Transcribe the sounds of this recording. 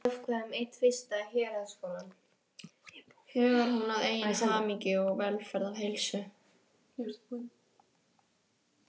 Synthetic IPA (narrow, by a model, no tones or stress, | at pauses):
fkʰvɛʏmejht̪fɪst̪açɛːɾaskoːlan | hœːɣʏɾ̥hunaðeːjɪnsaːmiŋcɪɔɣvɛlfɛɾðavɦejlsʏ